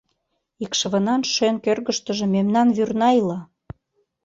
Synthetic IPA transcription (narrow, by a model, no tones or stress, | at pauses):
ikʃəβə̆nɑnʃøŋkørɣəʃt̪ə̆ʒĕmemnɑnβyrnɑilɑ